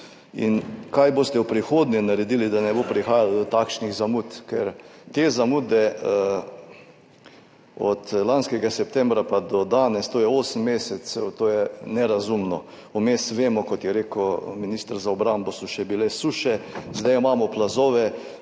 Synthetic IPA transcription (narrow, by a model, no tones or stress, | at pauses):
ḭnkajboːst̪ɛwpɾixoːd̪nʲɛnaɾɛd̪ilid̪anɛboːpɾixaːjalɔd̪ɔt̪akʃniɣzamut̪kɛɾt̪eːzamuːd̪ɛ | ɔ̰t̪lanskɛɡasɛp̚t̪ɛ̃mbɾapad̪ɔd̪aːnɛst̪oːjɛoːsəmːeːsɛsɛwt̪oːjɛnɛɾazumnɔ | umeːsʋeːmɔkɔt̪jɛɾeːkəminist̪ɾzaɔbɾanbɔsɔʃɛbilesuʃɛzd̪ajɔmaːmɔplazoːʋɛ